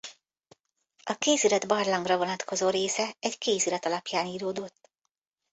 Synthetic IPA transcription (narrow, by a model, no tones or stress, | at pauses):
ɒkeːziɾɒd̪bɒrlɒŋɡrɒvo̞nɒt̪kʰo̞zoːɾeːsɛɛckeːziɾɒt̪ɒlɒpjaːniːɾoːd̪ot̪ː